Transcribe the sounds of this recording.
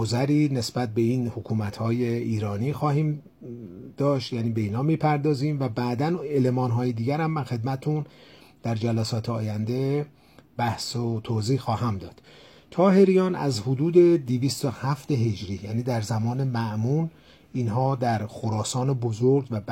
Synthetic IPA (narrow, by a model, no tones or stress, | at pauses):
ozæɾiːne̞sbæt̪̚be̞iːnhokʰuːmæt̪ʰhɒːje̞iːɾɒːniːxɒːhiːm | d̪̥ɒːʃt̪jæːniːbe̞iːnhɒːmiːpʰæɾd̪ɒːziːmvæbæːd̪ænelemɒːnɦɒːjed̪iːɟæɾæmːænxe̞d̪̚mæt̪et̪ʰund̪̥æɾd͡ʒælæsɒːt̪ʰeɒːjænd̪e̞ | b̥æhsot̪ʰoːziːhxɒːhæmd̪ɒːd̪̥ | t̪ʰɒːɦe̞ɾijɒːnæ̰zhod̪uːd̪e̞d̪iviːst̪ohæft̪e̞ɦe̞d͡ʒɾiːjæːniːd̪æɾzæmɒːne̞mæʔmuːn | inɦɒːd̪æɾxoɾɒːsɒːnebozoɾɡvæ